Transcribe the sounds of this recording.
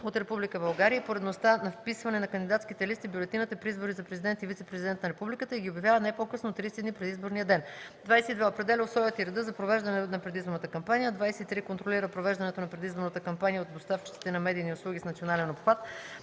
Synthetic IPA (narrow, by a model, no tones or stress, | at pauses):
ot̪ɾɛpublikəbɐlˠɡaɾijəpoɾɛd̪nost̪anɐfpisvɐnɛnɐkɐnd̪id̪at̪skit̪ɛlist̪ibjʊlɛt̪inət̪əpɾiizboɾizɐpɾɛzid̪ɛnt̪ivit̪sɛpɾɛzid̪ɛnt̪nɐɾɛpublikət̪əiɡʲiobjɐvjavənajpokɤsnot̪ːɾisid̪nipɾɛd̪izboɾnijəd̪ɛnd̪vajsɛt̪id̪vɛopɾɛd̪ɛlʲəʊsˠɔjət̪iɾɛd̪əzɐpɾovɛʒd̪ɐnɛnɐpɾɛd̪izboɾnət̪əkɐmpanijəd̪vajsɛt̪it̪ɾikont̪ɾoliɾəpɾovɛʒd̪ɐnɛt̪onɐpɾɛd̪izboɾnət̪əkɐmpanijəot̪d̪ost̪aft͡ʃi̥t̪si̥t̪ɛnɐmɛd̪iːniʊslˠuɡ̟ʲisnɐt̪sionalɛnopxvat̪